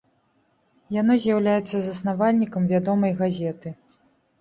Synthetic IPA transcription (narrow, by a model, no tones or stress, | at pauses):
janɔzʲjawlʲajɛt̪sːɐzɐsnavalʲnʲikɐmvʲad̪ɔmɐjɣazʲɛt̪ɨ